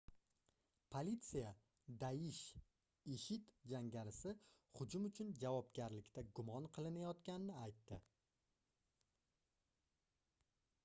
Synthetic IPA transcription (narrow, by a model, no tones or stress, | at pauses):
pʰolit̪sija | d̪ajɪʃ | eʃɪt̪d͡ʒaŋɡʲaɾɪsɪ | χʊd͡ʒʊmʊt͡ʃʰʊnd͡ʒavɒpɡʲaɾlɪkʲt̪aɡʊmɒnqʰɨlˠɪnajɒt̪kʲanɪnɪajt̪ːɪ